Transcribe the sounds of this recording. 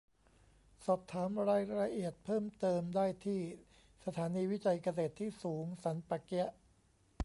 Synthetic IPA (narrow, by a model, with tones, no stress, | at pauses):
sɔː˨˩p̚t̪ʰːaː˩˦mɾaː˧jɾa˧ʔi˨˩ət̪̚pʰɤː˥˩mt̪ɤː˧mdaː˥˩jt̪ʰiː˥˩ | sa˧t̪ʰaː˩˦niː˧wi˦˥t͡ɕa˧jka˧s̬eː˨˩t̪ʰːiː˥˩suː˩˦ŋsa˩˦npa˨˩ki˦˥ʔ